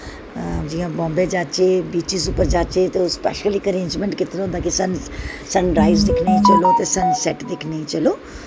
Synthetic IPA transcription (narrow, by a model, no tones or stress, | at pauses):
d͡ʒiːãbɔ̃ːmbed͡ʒaːt͡ʃebiːt͡ʃɪzupəɾd͡ʒaːt͡ʃet̪eʊspɛ̰ːʃəlikəɾẽːnd͡ʒmẽɳʈkɪt̪ɾãɦʊ̃nd̪aːkisɐnsɐnɾaːɪzd̪ɪkʰneit͡ʃəlot̪esɐnsɛʈd̪ɪkʰneĩt͡ʃəloː